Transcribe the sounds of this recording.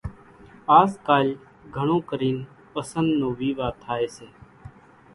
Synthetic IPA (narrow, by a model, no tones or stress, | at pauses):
aːskaːl | ɡʱəɳõːkəɾiːn | pəsənd̪nõːʋiːʋaːt̪ʰaːeːseː